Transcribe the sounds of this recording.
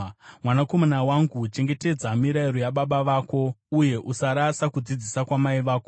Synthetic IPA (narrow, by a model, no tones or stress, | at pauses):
mwanako̞manawaŋɡut͡ʃe̞ŋɡe̞te̞d͡zamiɾaiɾo̞jaɓaɓaʋaːko̞uje̞ʔusaɾasakud͡zid͡zisakwamaiʋaːko